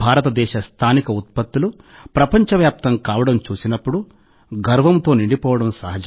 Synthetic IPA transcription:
bʱaːɾɐt̪ɐd̪ɛːʃɐst̪ʰaːnikɐut̪̚pɐt̪ːulu | pɾɐpɐɲt͡ʃɐʋjaːp̚t̪ɐŋkaːʋɐɽɐmt͡ʃuːsinɐpːuɽu | ɡɐɾʋɐmt̪o̞ːniɳɖipɔːʋɐɽɐmsɐɦɐd͡ʒ

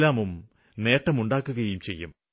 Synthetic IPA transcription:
laːmum | ne̞ːʈːɐmuɳɖaːkːuɣɐjumt͡ɕe̞jːum

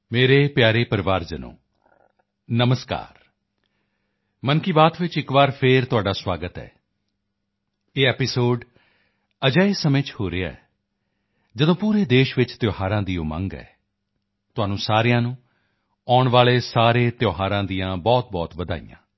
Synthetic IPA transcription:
meːɾeːpjaːɾeːpəɾɪʋaːɾd͡ʒənõ̰ː | nəməska̰ːɾ | mənkiːbaːt̪ʋɪt͡ʃɪkʋaːɾpʰeːɾt̪ʊaːɖaːswaːɡət̪ɛ̰ː | eːɛːpɪsoːɖ | əd͡ʒaːeːsəmẽːt͡ʃhoːɾeːa̰ɛː | d͡ʒəd̪õːpuːɾeːd̪eːʃʋɪt͡ʃt̪joːɦaːɾãːd̪ijõːmə̰̃ŋɡɛ̰ː | t̪ʊaːnũːsaːɾɪjãːnũː | ɔːɳʋaːleːsaːɾeːt̪joːɦaːɾãːd̪ijãːbɔːt̪̚bɔːt̪ʋəd̪a̰ːḭjã̰ː

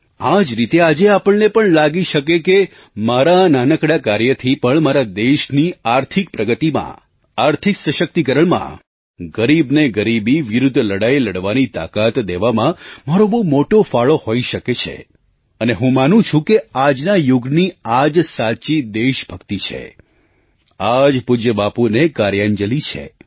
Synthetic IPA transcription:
ad͡ʒɾit̪ead͡ʒeapəɭnepəɳlaɡiʃəkeke | maɾananəkɽakaɾjət̪ʰipəɳmaɾad̪eʃniaɾt̪ʰik̚pɾəɡət̪imã̰ | aɾt̪ʰiksəʃək̚t̪ikəɾəɭmã̰ | ɡəɾibneɡəɾibiʋɪɾʊd̪ʱːləɽajləɽʋanit̪a̰kat̪d̪eʋamãmaɾobomoʈofaɭohoiʃəket͡ʃʰḛ | əneɦũmanũt͡ʃʰũkead͡ʒnajʊɡniad͡ʒsat͡ʃid̪eʃbʱəkt̪it͡ʃʰḛ | ad͡ʒpʊd͡ʒəbapunekaɾjaɲd͡ʒəlit͡ʃʰḛ

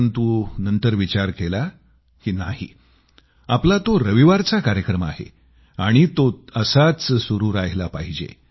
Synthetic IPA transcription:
nt̪uːnənt̪əɾʋit͡ɕaɾkela | kiːnaɦhḭ | aplat̪oɾəʋiʋaɾt͡sakaɾjəkɾəma̰ɦḛ | aɽ̃it̪oəsat͡ssuɾuːɾajlapaɦid͡ʑḛ

